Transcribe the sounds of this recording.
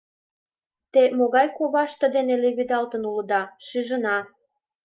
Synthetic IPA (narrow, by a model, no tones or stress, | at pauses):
t̪emoɣɑjkoβɑʃt̪ə̆d̪eneleβid̪ɑlt̪ənulə̆d̪ɑʃyʒənɑ